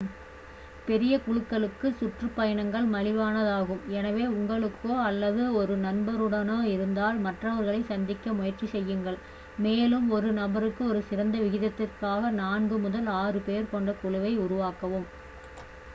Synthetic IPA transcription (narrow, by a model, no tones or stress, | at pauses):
pɛɾɪjɐkʊɻɯkːɐɭɯkːɯsʊʈrɯpːɐjɐɳɐŋɡɐɭmɐɻɪʋaːnɐðaːɣɯmɛnɐʋeːʊŋɡɐɭɯkːoːɐlːɐðɯɔɾɯnɐnbɐɾɯɽɐnoːɪɾɯnd̪aːlmɐʈrɐʋɐɾɣɐɭɐɪsɐnd̪ɪkːɐmʊjɐrt͡ʃːisɛjːɯŋɡɐɭ | meːlɯmɔɾɯnɐbɐɾɯkːɯɔɾɯsɪɾɐnd̪ɐʋɪɣɪðɐt̪ːɪrkaːɣɐnaːnɡɯmʊðɐlaːrɯpeːɾkɔɳɖɐkʊɻʊʋɐɪʊɾʊʋaːkɐʋɯm